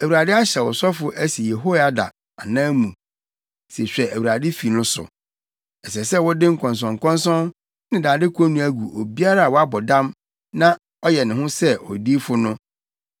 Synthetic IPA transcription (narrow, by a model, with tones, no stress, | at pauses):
æ˨wu˨ɾa˨dɪ˦a˦ɕɛ˨wɔ˨sɔ˦fʊ˨ʔæ˦si˨je˨ɦo˦a˦da̰˨ | a˨nãː˦mũ˨ | se˨ɕᶣɛ˨æ˨wu˨ɾa˨dɪ˦fi˨nʊ̃˦sʊ̰˨ | ɛ˨sɛ˨sɛ˦˨wɔ˦dɪ˦ŋ̩˨kʰɔ̃˨ns̬ɔ̃˨ŋ˨kʰɔ̃˦nsɔ̃˦n | nɪ̃˦daː˨dɪ˦kʰʷɔ˦nũ˦æ˦ɡu˨ʔo˨bi˦a˦ɾa˦a˨wɔ˨a˦bɔ˨dã˦m | nã˦ | ɔ˦jɛ˨nɪ̃˨ɦʊ̃˦sɛ˦ɔ̰˨di˦fʊ˦nʊ̃˦